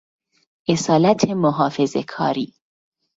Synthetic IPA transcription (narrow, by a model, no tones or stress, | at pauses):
ʔesɒːlæt̪ʰemoɦɒːfe̞zekʰɒ̰ːɾiː